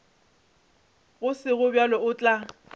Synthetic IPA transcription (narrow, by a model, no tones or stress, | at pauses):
ɣʊsɪɣʊbjalɔʊt͡ɬʼa